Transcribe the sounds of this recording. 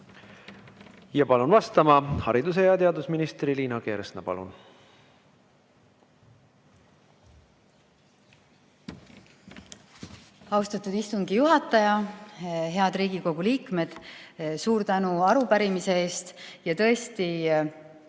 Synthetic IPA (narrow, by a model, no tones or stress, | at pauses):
jɑpɑlunvɑst̪ɑmɑhɑɾid̪usejɑt̪eɑd̪usminist̪riliːnɑke̞ːɾesnɑpɑ̰lṵn | ɑuwst̪ɑt̪ud̪ist̪uŋɡijuɦɑt̪ːˑɑjɑ | ɦe̞ɑd̪ɾiːɡ̥iko̞ɡ̥uliːkme̞d̪̥suːɾt̪ænuɑɾupæɾimise̞e̞ːst̪jɑt̪ɤ̞e̞st̪i